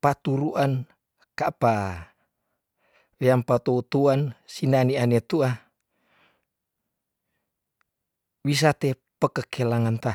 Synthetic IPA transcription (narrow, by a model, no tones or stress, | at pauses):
pat̪uɾuʔan | kapa | weampat̪out̪uansinanianet̪ua | wis̬at̪e | pəkəkʰelaŋant̪a